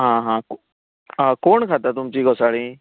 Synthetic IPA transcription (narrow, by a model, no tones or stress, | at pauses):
ɦãːɦãːk | ɦãkoːɳkʰat̪at̪̬ʊmt͡ɕiːɡosaːɽĩː